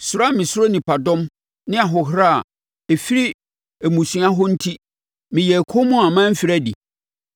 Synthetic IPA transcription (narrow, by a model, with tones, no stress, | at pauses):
sʊ˨ɾa˦mɪ̃˨sʊ˦ɾo˦nĩ˨pa˨dɔ̃˦m | nɪ̃˦a˨ɦɔ˨ɦɾa̰˦˨ | e˨fi˦ɾi˦ | e˨mũ˨sɥa˦ɦʊ˦n̩˦tʰi˦ | mɪ̃˨jɛ˨kʰo˦mʊ̃˦ã˨mã˦m̩˦fi˨ɾæ˦dḭ˨